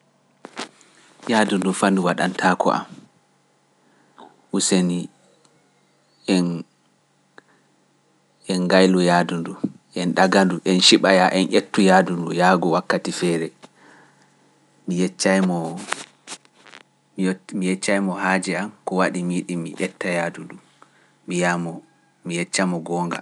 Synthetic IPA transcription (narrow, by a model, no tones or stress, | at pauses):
jaːdundufanduwaɗa̰ntʰaːkɔ̰ʔa̰m | ʔuseni | ɛn | ɛnɡajlujadundu | ʔɛnɗaɡanduʔɛnʃiɓajaʔɛnʔetːujaːdundujaːɡɔwakːatifɛːɾɛ | mit͡ʃːajmɔ | mijɛt͡ʃːajmɔhaːd͡ʒɛamkɔwaɗimiːɗimḭʔɛtːajaːdundu | miamɔ | mijɛt͡ʃːamɔɡɔːŋɡa̰